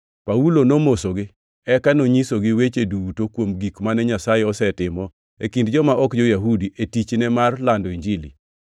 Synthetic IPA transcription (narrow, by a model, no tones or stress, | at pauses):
paulonomosoɡɪ | ɛkanoɲisoɡɪwet͡ʃedutokwomɡikmanɛɲasajeɔsɛtɪmɔ | ḛkindd͡ʒɔmaʔɔkd͡ʒɔjaɦudiʔetit͡ʃnɛmarlandɔiɲd͡ʒilḭ